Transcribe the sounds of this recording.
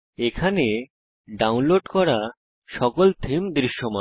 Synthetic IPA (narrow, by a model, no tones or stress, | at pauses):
ekʰane | ɖawnloɖkɔɾa | ʃɔkolt̪ʰimd̪ɾiʃːɔmɔ